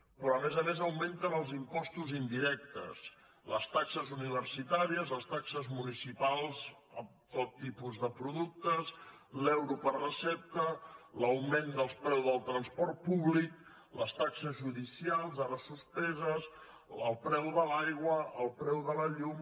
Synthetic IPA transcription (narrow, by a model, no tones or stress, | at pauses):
pɾɔəmɛzəmezəwment̪ənəlˠzimpɔst̪uzind̪iɾɛk̚t̪ə̰s | ləst̪aksəzuniβəɾsit̪aɾiəzləst̪aksəzmunisipalˠz | əm | t̪ot̪ːipuzðəpɾuðuk̚t̪əz | lɛwɾupərrəsɛp̚t̪ələwmend̪əlˠspɾɛwzðəlˠt̪ɾənspɔrt̪̚puβlik | ləst̪aksəzʒuðisialˠzaðəsuspɛzəs | əlˠpɾɛwðəlajɣwəʔəlˠpɾɛwðələʎum